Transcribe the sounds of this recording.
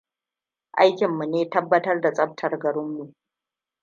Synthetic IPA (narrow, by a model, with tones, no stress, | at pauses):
ʔa˦jkʲɪ˨mːu˨neː˦tɐ˦bːɐ˦tɐ˦rda˨t͡sʼɐ˦b̚tʰɐ˨rɡɐ˨ɽɪ˦mːu˨ʔ